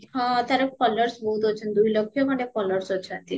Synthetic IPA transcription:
ɦãt̪aɾapɔləɾsbɔɦut̪ɦot͡ɕʰend̪ujlokʰːijomaʈefɔloɾsot͡ɕʰent̪in

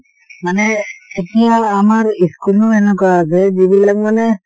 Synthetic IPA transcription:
manɛetiaːmaɹiskulnɔɛnɛkaasɛd͡ʒibilak̚manɛ

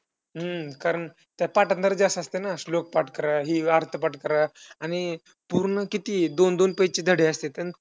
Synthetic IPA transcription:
ɦəkaɾəɳ | t̪japaʈənd̪əɾd͡ʑasəst̪enaslok̚paʈkəɾaɦiːaɾt̪ʰəpaʈkəɾaaɽ̃i | puɾɳəkit̪iːd̪ond̪onpəjt͡ɕid̪ʱəɽeəst̪et̪an

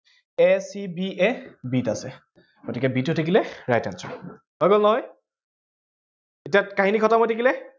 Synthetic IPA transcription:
ɛsibiɛbitasɛ | ɡ̥otikɛbitotʰekilɛɹajtansɔ̰ | hɔjɡolnɔɦɔj | etiakaɦinikʰɔtamɔjtʰekilɛ

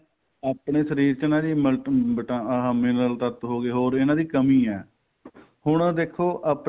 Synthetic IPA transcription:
aːpɳeːsəɾiːɾt͡ʃnãːd̪iːmbəʈamɪləlt̪ət̪ɦoːɡeːɦoːɾɪnãːd̪iːkəmiːɛː | hʊɳd̪eːkʰːoːʔaːp

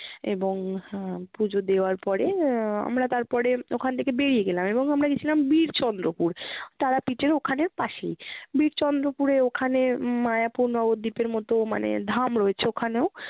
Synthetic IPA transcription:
eboŋpud͡ʑʱod̪eoaɾpɔɾea̰mɾat̪aɾpɔɾeokʰant̪ʰekebeɽijeɡelameboŋamɾaɡet͡ɕʰilambiɾt͡ɕɔnd̪ɾopuɾt̪aɾapiʈeɾokʰaneɾpaʃejbiɾt͡ɕɔnd̪ɾopuɾeokʰanemajapuɾnɔbod̪ːipeɾmɔt̪oma̰nḛd̪ʱamɾɔet͡ɕʰeokʰaneo

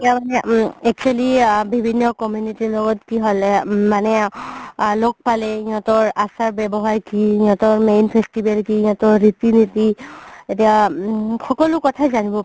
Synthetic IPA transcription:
amanɛɛk̚t͡ʃualibʱibʱinːɔkɔmjunitilɔɡɔtkiɦɔlɛmanɛ | lok̚palɛĩɔ̃tɔɹasaɹbɛbɔɦajkiĩɔ̃tɔɹmejnpʰestibɛlkiĩɔ̃tɔɹɹitinitietiaxɔkɔlʊkɔtʰazanibɔ

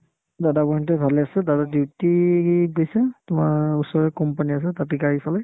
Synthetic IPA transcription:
dadapɔntɛbʱalɛasɛdadadiwtiiɡojsɛtʊmaɹusɔɹɛkɔmpanias̬ɛtatikaɹisalɛ

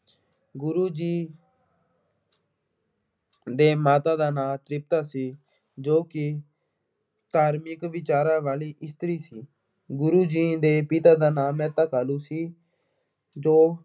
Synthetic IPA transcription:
ɡʊɾuːd͡ʒiː | d̪eːmaːt̪aːd̪aːnãːt̪ɾɪp̚t̪aːsiː | d͡ʒoːkɪ | t̪aːɾmɪkʋɪt͡ʃaːɾãːʋaːliːʔɪst̪əɾiːsiː | ɡʊɾuːd͡ʒiːd̪eːpɪt̪aːd̪aːnaːmɛ̃ːt̪akaːlũːsiː | d͡ʒoː

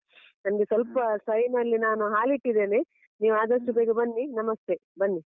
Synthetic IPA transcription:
nɐnɐɡesɐlpɐsɐɾinɐlːinaːnuɦaːliʈːid̪e̞ːne | niːʋuaːd̪ɐʂʈubeːɡebɐnːinɐmɐst̪e̞bɐnːi

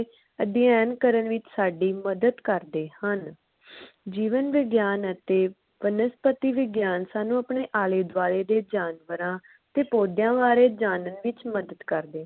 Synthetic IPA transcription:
əd̪ɪjɛːnkəɾənʋɪt͡ʃsaːɖiːməd̪əd̪kəɾd̪eːhən | d͡ʒiːʋənʋɪɡjaːnət̪eː | ʋənəspət̪iːʋɪɡjaːnsaːnũːəpɳeːʔaːleːd̪ʋaːleːd̪eːd͡ʒaːnʋəɾãː | ət̪eːpoːd̪jãːʋaːɾeːd͡ʒaːnənʋɪt͡ʃməd̪əd̪kəɾd̪eː

